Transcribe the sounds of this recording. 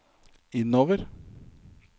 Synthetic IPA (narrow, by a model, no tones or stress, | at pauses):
ɪd̪noːʋəɾ